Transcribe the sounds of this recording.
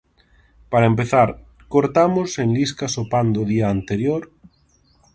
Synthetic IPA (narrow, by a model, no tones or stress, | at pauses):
paɾaempeθaɾ | koɾt̪amosenliskasopand̪oðiaːnt̪eɾjoɾ